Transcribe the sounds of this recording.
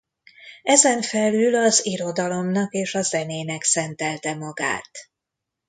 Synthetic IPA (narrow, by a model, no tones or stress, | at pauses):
ɛzɛɱfɛlylɒziɾo̞d̪ɒlo̞mnɒkeːʃɒzɛneːnɛksɛnt̪ɛlt̪ɛmɒɡa̰ːt̪